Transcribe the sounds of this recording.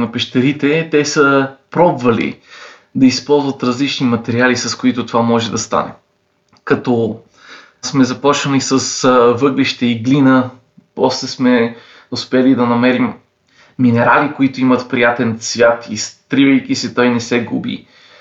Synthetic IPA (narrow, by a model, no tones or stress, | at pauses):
nɐpɛʃt̪ɐɾit̪ɛt̪ɛsəpɾɔbvɐlḭ | d̪ɐispɔlˠzvɐt̪ɾɐzlit͡ʃnimɐt̪ɛɾialisɐskoit̪ʊt̪ovamɔʒɛd̪ɐst̪a̰nɛ̰ | kɐt̪ɔ | smɛzɐpɔt͡ʃvɐnisɐsvɤɡliʃt̪ɛiɡlinə | pɔslɛsmɛ | ʊspɛlid̪ɐnɐmɛɾimː | inɛɾalikoit̪ʊimət̪pɾijat̪ɛnsvʲjat̪ist̪ɾivəjkisɛt̪ɔjnɛsɛɡṵbḭ